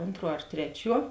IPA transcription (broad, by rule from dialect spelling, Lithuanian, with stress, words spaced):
ˈoːntˌruɔ ɐr ˈtʲrʲæːˌt͡ʃʲuɔ